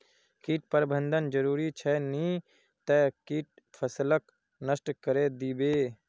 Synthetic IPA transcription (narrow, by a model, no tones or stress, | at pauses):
kiːʈ̚pəɾbənd̪ʱənd͡ʒəɾuːɾit͡ʃʰɛni | t̪əkiːʈ̚ | pʰəslək | nəsʈkəɾed̪iːbeː